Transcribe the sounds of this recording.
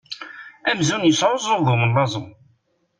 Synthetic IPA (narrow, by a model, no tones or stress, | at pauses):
æmzunjəsʕʊzˤʊðʊmənlˤɑzˤəm